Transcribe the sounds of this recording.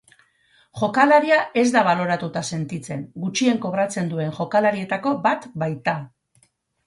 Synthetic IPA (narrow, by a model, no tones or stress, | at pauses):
ʝo̞kalaɾiae̞zd̪aβ̞alo̞ɾat̪ut̪ase̞nt̪it͡se̞ŋɡut͡ʃie̞ŋko̞βɾat͡se̞nd̪ue̞ŋʝo̞kalaɾie̞t̪ako̞bat̪bajt̪a